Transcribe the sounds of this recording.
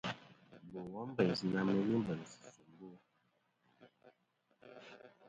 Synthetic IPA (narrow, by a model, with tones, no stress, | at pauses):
bo˨wɔ˦m˦bə˨ɲ˨zi˨na˦mə˦li˦m˦bə˨n˨si̥˨su˨m˦bo˦˨